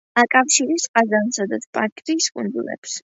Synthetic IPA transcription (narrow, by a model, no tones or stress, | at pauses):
akʼafʃiɾisqʼazansad̪at̪sʰpʼaɾkʼt̪ʼiːskʼund̪zulɛ̰ps